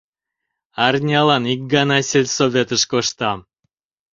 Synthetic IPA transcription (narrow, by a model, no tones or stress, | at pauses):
ɑrnʲɑlɑnik̚ɡɑnɑsʲelʲsovʲet̪əʃkoʃt̪ɑm